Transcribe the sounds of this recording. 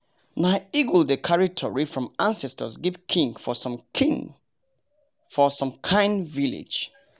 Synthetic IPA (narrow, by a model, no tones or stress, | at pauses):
naiɡuldəkʰaɹitʰɔɹifɹɔ̃mãnsɛstəsɡivkʰĩŋɡfɔsɔ̃mʰĩŋ | fɔsɔ̃mkʰãɪ̃nvilḭ̥d͡ʒ